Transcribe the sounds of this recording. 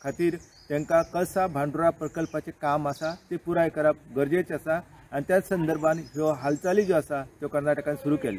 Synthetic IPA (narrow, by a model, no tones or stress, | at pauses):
kʰat̪iːɾ | t̪ẽŋkakəsabʱãɳɖuɾapɾəkəlpat͡sekamasat̪epuɾajkəɾap̚ɡəɾd͡ʑet͡sasa | anit̪jat͡ssənd̪əɾbʱãnɦɔɦalt͡salid͡zoasat̪jɔkəɾnaʈəkanisuɾuːkɛle